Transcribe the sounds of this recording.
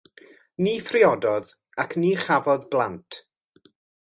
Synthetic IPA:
niːfrɪɔdɔð | akʰniːχavɔðblˠantʰ

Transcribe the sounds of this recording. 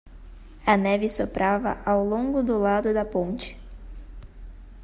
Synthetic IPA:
ɐnɛvɪsopɾʔavɐ̰ʔawlõŋɡʊd̪ʊlad̪ʊd̪ɐpõnt͡ʃɪ̥

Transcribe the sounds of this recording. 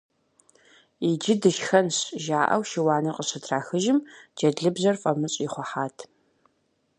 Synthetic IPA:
id͡ʒɪdɨʃxɐnɕʒaːʔɐ̰wʃɪwaːnɨqʼəɕɨtʰraːxɨʒɪmd͡ʒɐdɮɨbzɐrfʼɐmɨɕʼiχʷɔħaːtʰ

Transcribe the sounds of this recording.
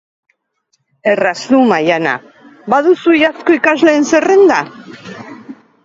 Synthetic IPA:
e̞rasumajana̰ | baðusuʝasko̞ikazle̞ːnse̞re̞nd̪a

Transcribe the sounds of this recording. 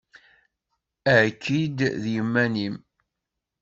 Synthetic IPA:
æʕkːid̪ðjəmːænim

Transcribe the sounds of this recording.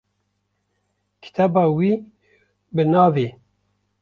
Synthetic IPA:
kʰi̥t̪ʰɑːbɑːwiː | bɨnɑːveː

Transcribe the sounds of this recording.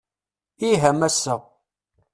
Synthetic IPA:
iɦæmæsːə

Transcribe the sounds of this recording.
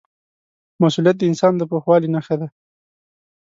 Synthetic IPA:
masulijat̪̚d̪əɪnsɑnd̪əpoxwɑlinaxad̪a

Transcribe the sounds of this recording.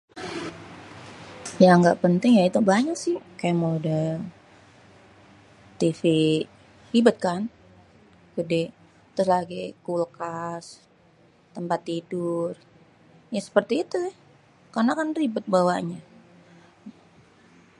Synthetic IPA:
jaŋɡa̰ʔpənt̪ɪŋjait̪ubaɲaksɪhkajamoludah | t̪ifi | hibʊt̪̚kan | kədɛh | t̪ʊslaɡikulkas | t̪əmpat̪ːidʊr | jasə̥pərt̪iːt̪uɪh | karnakanribʊt̪̚bawaɲa

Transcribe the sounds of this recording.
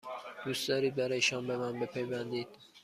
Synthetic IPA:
d̪̥usd̪ɒːɾiːd̪̚bæɾɒːjeʃɒnbemænbe̞pʰejbænd̪iːd̪̥̚

